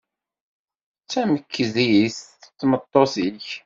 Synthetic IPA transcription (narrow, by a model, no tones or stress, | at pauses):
t͡sːæməkːəziist͡sːmət̪ˤːosiç